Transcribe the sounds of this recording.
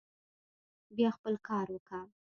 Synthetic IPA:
bjɑxpəlkʰɑɾwəka

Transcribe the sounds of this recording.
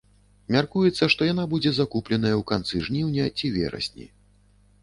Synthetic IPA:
mʲarkujɛt̪sːɐʂt̪ɔjanabud͡zʲɛzakuplʲɛnɐjɐwkant̪sɨʐnʲiwnʲɐt͡sʲivʲɛ̰ɾɐ̰sʲnʲḭ

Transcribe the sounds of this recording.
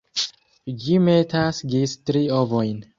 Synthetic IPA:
d͡ʒimetasɡistɾiovojn

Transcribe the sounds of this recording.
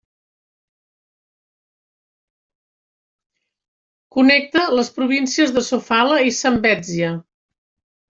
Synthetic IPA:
kunɛk̚t̪ələspɾuβ̞insiəzðəsufaləisəmbɛd͡ziə

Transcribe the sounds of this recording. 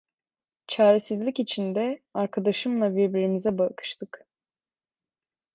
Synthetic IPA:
t͡ʃʰaːɾɛsizlʲikcit͡ʃʰind̪ɛaɾkʰad̪aʃɯmlˠabiɾbiɾinizɛbakʰɯ̥ʃt̪ʰɯk

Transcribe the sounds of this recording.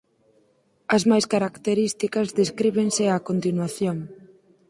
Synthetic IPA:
ɐzmajskaɾakt̪eɾist̪ikɐzðeskɾiβeŋsɪakont̪inwaθjoŋ

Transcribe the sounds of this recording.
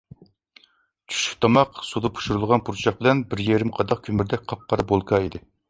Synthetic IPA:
t͡ʃʰy̥ʃy̥p̚t̪ʰɑmɑqsud̪ɑpʰu̥ʃuɾulˠʁɑnpʰuɾt͡ʃʰɑχ̚bɪlɛnbɪɾjeɾɪmqʰɑd̪ɑqkʲʰymyɾd̪ɛk̚ʲqʰɑp̚qʰɑɾɑbolˠkʰɑid̪ɪ

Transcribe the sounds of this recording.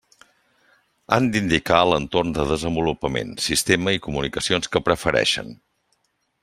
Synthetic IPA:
a̰nd̪ind̪ikaələnt̪ornd̪əðəzəmbulupəmḛnsist̪eməikumunikəsionskəpɾəfəɾɛ̰ʃə̰n

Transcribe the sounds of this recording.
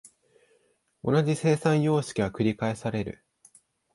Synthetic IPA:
o̞nad͡ʑise̞ːsãɰ̃jo̞ːɕi̥kʲiβakɯ̟ɾʲikae̞saɾe̞ɾɯ̟̰

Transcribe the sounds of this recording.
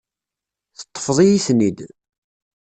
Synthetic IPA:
θə̥t̪ˤːə̥fðˤijisnid̪

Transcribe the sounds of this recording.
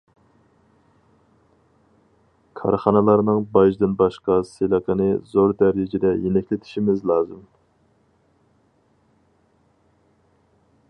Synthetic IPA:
kʰɑɾχɑnɨlˠɑɾnɨŋbɑʒd̪ɨnbɑʃqɑselˠəqʰənɨzoɾd̪æɾɪd͡ʒɪd̪ɛjenɛkʲlɪt̪ʰɪ̥ʃimɪzlˠɑːzɨm

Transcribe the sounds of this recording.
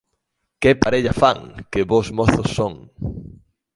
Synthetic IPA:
kepaɾeʎafaŋkɪβozmoθosːoŋ

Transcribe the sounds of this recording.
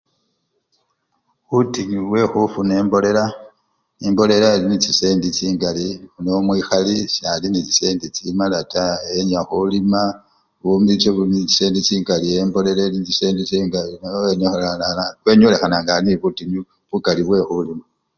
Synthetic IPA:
βutiɲuβwe̞xufune̞ːmbo̞le̞la | nimbo̞le̞laelinit͡sise̞ːndit͡siːŋɡaliunomwiːxalisalinit͡si̥se̞ːndit͡simalataeɲaxulima | βumit͡ʃeβunit͡si̥se̞ːndit͡siːŋɡalie̞mbo̞le̞lalinit͡siseːndit͡siŋɡaeneanaakwe̞ɲo̞le̞xanaŋɡaniβutiɲu | βukaliβwe̞xulima

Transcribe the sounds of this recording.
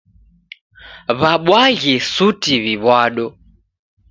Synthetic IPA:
βaɓwaɣisutiβiβwaɗɔ

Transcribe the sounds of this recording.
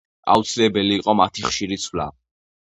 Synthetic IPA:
a̰ut̪sʰilɛbɛliːqʼɔmat̪ʰiχʃiɾit̪sʰwla̰

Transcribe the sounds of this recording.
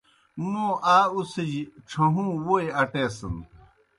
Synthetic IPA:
nõːʔaːused͡ʑiʈ͡ʂʰɐɦũːwoeɐʈeːsɐ̰n

